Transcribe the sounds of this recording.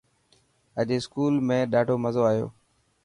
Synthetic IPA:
əʄeːskuːlmẽːɗaːɖʱoːməzoːaːijo̰ː

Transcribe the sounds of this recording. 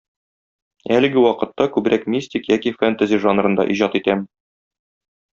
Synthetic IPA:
ælɘ̆ɡɘwɒqɤ̆t̪ːɑkʉbɾækmʲisʲtʲikjækifænt̪azʲiʒɑnɾɤ̆nd̪ɑ̰ʔiʑɑt̪it̪æm

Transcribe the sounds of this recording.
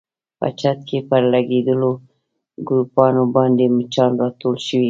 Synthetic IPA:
pa̰t͡ʃat̪̚kʰepəɾlaɡed̪əlo | ɡɾupɑnobɑnd̪emət͡ʃɑnɾɑt̪olʃəwi

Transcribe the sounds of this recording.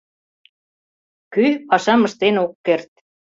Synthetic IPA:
kypɑʃɑmɤ̆ʃt̪enokːert̪̚

